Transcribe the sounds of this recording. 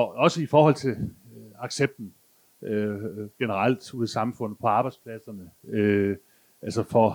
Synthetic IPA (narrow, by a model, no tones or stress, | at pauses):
ɒɒ̽səifɒːhɒ̽l̰t͡sʰe̝lɑ̈ɡ̥seb̥̚d̥n̩ | øɡ̥enəʁɑ̈l̰d̥uðˠsɑ̈mfɔ̽n̰ð̩ˠpʰɒ̽ɑ̈ːb̥ɑ̈ɪd̥spʰlæsɐnəø | ʔælsɐfɒ